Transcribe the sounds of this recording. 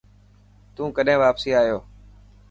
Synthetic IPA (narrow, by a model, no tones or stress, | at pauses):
t̪ũːkəɗɦẽːʋaːpsiːaːɦijoː